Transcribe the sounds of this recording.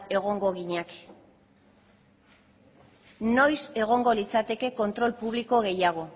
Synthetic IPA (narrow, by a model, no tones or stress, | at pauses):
e̞ɣ̞o̞ŋɡo̞ɣiɲak | no̞jse̞ɣ̞o̞ŋɡo̞lit͡sat̪e̞ke̞ko̞nt̪ɾo̞lpuβ̞liko̞ɣe̞jaɣ̞o̞